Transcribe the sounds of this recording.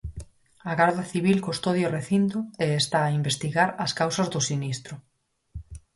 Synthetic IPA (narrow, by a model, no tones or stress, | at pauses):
aɣaɾðaθiβ̞ilkost̪oðjoreθint̪ʊeest̪aːimbest̪iɣaɾɐskawsɐzðʊsinist̪ɾʊ